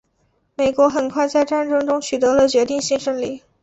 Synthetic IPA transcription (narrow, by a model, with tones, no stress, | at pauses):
me˨˩ɪkwɔ˧˥xə˨˩nkʰwa˥˧ɪt͡sa˥˧ɪʈ͡ʂa˥˩nʈ͡ʂɤ˥ŋʈ͡ʂʊ˥ŋt͡ɕʰy˨˩t̪ɤ˧˥lə˧t͡ɕɥɛ˧˥t̪i˥˧ŋɕi˥˧ʂə˥nli˥˩